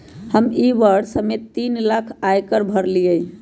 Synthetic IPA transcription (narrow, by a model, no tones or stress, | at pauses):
həmiʋəɾsəmet̪ːinlakʰajkəɾbʱəɾliəj